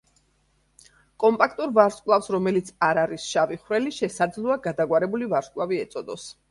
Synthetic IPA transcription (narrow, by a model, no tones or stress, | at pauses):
kʼɔmpʼakʰt̪ʼuɾvaɾskʼlˠafsɾɔmɛlit̪sʰaɾaɾisʃaviχvɾɛliʃɛsad̪zlˠɔaɡad̪aɡwaɾɛbulivaɾskʼlˠaviɛt̪sʼɔd̪ɔs